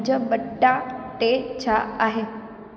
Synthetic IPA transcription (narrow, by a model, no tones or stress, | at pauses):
d͡ʒəbəɖːaʈet͡ʃʰaaɦe